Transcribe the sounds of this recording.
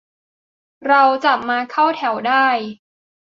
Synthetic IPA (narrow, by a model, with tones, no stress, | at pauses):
ɾa˧wt͡ɕa˨˩p̚maː˧kʰa˥˩wt̪ʰɛ˩˦wdaː˥˩j